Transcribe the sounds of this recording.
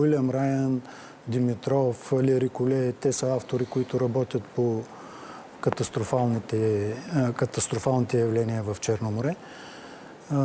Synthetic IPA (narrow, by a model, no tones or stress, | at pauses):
wilʲɐmɾajən | d̪imit̪ɾɔfliɾikʊlʲɛt̪ɛsəaft̪oɾikoit̪ʊɾɐbɔt̪ʲjət̪po | kɐt̪ɐst̪ɾofalˠnit̪ɛ | kɐt̪ɐst̪ɾofalˠnit̪ɛjɐvlɛniəvɐft͡ʃɛɾnomoɾɛ